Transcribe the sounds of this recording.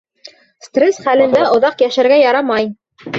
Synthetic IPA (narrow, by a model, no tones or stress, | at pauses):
st̪rʲesχælɘ̆nd̪æʔŏðɑqjæʃæɾɡæjɑɾɑmɑj